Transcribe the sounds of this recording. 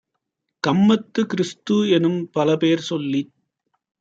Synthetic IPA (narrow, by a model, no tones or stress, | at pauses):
kɐmːɐt̪ːɯkɪɾɪst̪uɛnɯmpɐlɐpeːɾsɔlːi